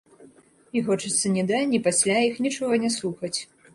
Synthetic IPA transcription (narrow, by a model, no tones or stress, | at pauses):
ixɔt͡ʂɨt̪sːɐnʲɛd̪anʲipasʲlʲaixnʲit͡ʂɔɣɐnʲɛslˠuxɐt͡sʲ